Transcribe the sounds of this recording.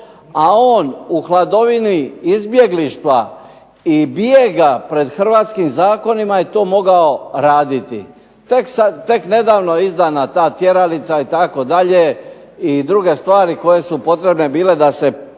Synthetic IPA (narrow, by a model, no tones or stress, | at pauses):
aoːnuxlˠad̪o̞ʋiniizbje̞ɡliʃt̪ʋa | ibjeɡapɾe̞d̪xr̩ʋaːt̪skimzaːko̞nimaje̞t̪o̞ːmo̞ɡao̞ɾaːd̪it̪ḭ | t̪eksat̪e̞kne̞d̪aːʋnoizd̪anat̪aːt̪je̞ɾalit̪sait̪ako̞d̪aʎe | id̪ɾuɡe̞st̪ʋaːɾiko̞je̞supo̞t̪ɾe̞bne̞biːle̞d̪ase̞